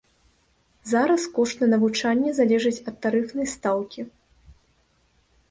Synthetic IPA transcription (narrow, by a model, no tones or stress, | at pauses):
zaɾɐskɔʂt̪nɐnɐvut͡ʂanʲːɛzalʲɛʐɨt͡sʲɐt̪ːaɾɨfnɐjst̪awkʲi